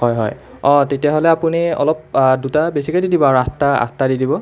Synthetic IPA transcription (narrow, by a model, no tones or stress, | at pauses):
ɦɔjɦɔ̰j | ɔ̃tetijaɦolɛapuniɔ̰lɔp̚dutabesikɔdidibɔaɹuastaa̰stadidibɔ